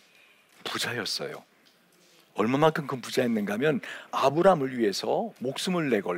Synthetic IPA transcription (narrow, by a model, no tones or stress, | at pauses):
pud͡ʑajʌs͈ʌ̰jo̰ | ʌɭmamakʰɯnkɯmpud͡ʑajenːɯnɡamjʌnabɯɾamɯɭɥie̞sʰʌmok̚s͈ɯmɯɭːe̞ɡʌ